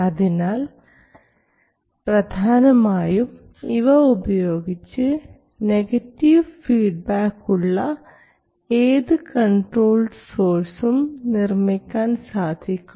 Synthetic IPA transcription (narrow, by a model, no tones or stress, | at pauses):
ɐðinaːl | prɐd̪ʱaːnɐmaːjum | iʋɐubɐjo̞ːɡit͡ɕːɨ | ne̞ɡɐtːiʋfiːɖ̚baːkːuɭːɐ | eːðɨkɐɳʈro̞ːlɖso̞ːrsumnirmikʲːaːnsaːd̪ʱikʲːum